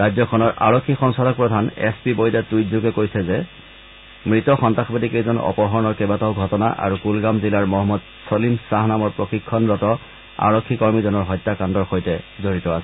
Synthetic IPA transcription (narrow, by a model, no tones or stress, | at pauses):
ɹazɔkʰɔnɔɹʔaɹɔkʰːixɔŋsadɔk̚pɹɔdʱanɛ̰spibojdatujzuɡɛkojsɛzɛ | mɹitɔxɔntaxɔbadikejzɔnɔ̰pɔɦɔɹnɔɹkɛbatɔʊɡʱɔtɔna̰ʔa̰ɹukulɡamzilaɹmɔɦɔmːɔd | solimsaɦnamɔɹpɹoxikʰːɔnɹɔtɔ | a̰ɹɔkʰːikɔɹmizɔnɔɹɦɔjtːakandɔɹxojtɛzoɹitɔasɛ̥